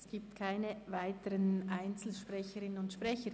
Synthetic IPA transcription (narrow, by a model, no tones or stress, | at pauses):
sɡ̥iːp̚tkʰaɪnəvaɪtəɾənʔaɪnt͡sl̩ʃpʁ̥ɛçəɾɪnənʊntʃpʁɛçə